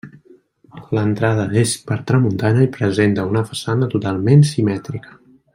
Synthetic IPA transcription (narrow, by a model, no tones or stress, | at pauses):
lənt̪ɾað̞əðeʃpəɾt̪ɾəmunt̪aɲəipɾəzent̪əunəfəsanət̪ut̪alˠmensimɛt̪ɾikə̥